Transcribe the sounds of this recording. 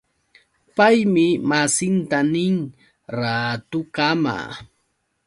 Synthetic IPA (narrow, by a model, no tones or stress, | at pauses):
pajmɪmasɪnt̪anɪŋ | ɾaːt̪ʊkama̰